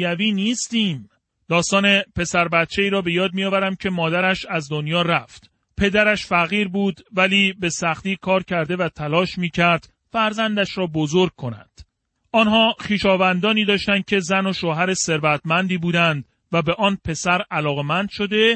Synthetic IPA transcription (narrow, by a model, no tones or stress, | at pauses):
æviːniːst̪iːm | d̪̥ɒːst̪ɒːne̞pe̞sæɾbæt̪̚t͡ʃʰe̞iːɾɒːbe̞jɒːd̪̚mijɒːvæɾæmcʰe̞mɒːd̪æɾæʃæzd̪o̞njɒːɾæft̪ | pʰe̞d̪æɾæʃfæɣiːɾbuːd̪væliːbe̞sæχt̪iːkʰɒːɾcʰæɾd̪e̞væt̪ʰælɒːʃmiːcʰæɾd̪̥ | fæɾzænd̪æʃɾɒːbozoɾɡ̚kʰo̞næ̰nd̪̥ | ɒnɦɒːχiːʃɒːvænd̪ɒːniːd̪ɒːʃt̪ænd̪̥̚cʰe̞zæno̞ʃoːɦæɾe̞se̞ɾvæt̪ʰmænd̪iːbuːd̪ænd̪ | væbe̞ʔɒːnpʰe̞sæɾælɒːɣe̞mænd̪̥ʃo̞d̪e̞